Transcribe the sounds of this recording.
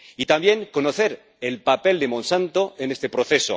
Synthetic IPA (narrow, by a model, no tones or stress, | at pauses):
it̪ambje̞ŋko̞noθe̞ɾ | elpape̞ld̪emõnsant̪o̞ene̞st̪e̞pɾoθe̞so̰